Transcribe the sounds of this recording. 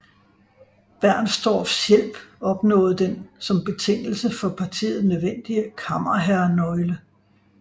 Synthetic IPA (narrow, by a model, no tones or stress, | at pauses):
b̥æɐ̰nsd̥ɒ̰ːfsjel̰b̥ɒ̽b̥nɔ̰̽ːð̩ˠd̥ensɒ̽mb̥e̝t͡sʰe̝ŋ̰l̩səfɒ̽pʰɑ̈t͡sʰḭːð̩ˠnøðˠʋen̰d̥iəkʰɑmɐɦæɐnɒ̽ɪlə